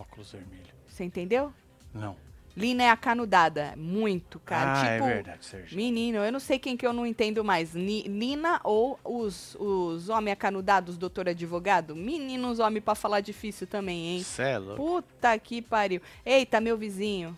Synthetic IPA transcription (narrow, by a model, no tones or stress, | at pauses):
ɔkulʊzvḛɾmilʊseẽt̪ẽnd̪ew | nɐ̰̃w̃lĩnɐɛakanud̪ad̪ɐmũj̃t̪ʊkaɾɐt͡ʃipɛʊvḛɾd̪a̰d͡ʒseminĩnʊewnɐ̃w̃sejkẽj̃kɪewnɐ̃w̃ẽnt̪ẽnd̪ʊmajslilĩnɐʔowʊz | ʊzõmẽj̃akanud̪ad̪ʊzd̪owt̪oɾad͡ʒivoɡad̪ʊminĩnʊzõmẽpɾɐfalad͡ʒifisʊt̪ɐ̃mbẽj̃ẽj̃sɛl̰put̪ɐkipaɾiwejt̪ɐmewvizĩɲʊ